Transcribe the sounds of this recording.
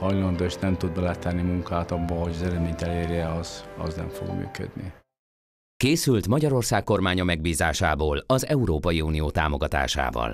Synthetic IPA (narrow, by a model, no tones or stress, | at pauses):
hɒjlɒnd̪oʃnɛmt̪ud̪̚bɛlɛt̪ɛnːimuŋkaːt̪ɒbːɒhoɟɒzɛlɛd̪meːɲt̪ɛleːɾjɛɒz̥ɒ̰znɛ̰ɱfo̰ɡmy̰ːkø̰d̪ni | keːsylt̪mɒɟɒɾo̞rsaːkːo̞rmaːɲɒmɛɡ̚biːzaːʃaːboːlɒzɛuɾoːpɒjiuːnijoːt̪aːmo̞ɡɒt̪a̰ːʃa̰ːvɒ̰l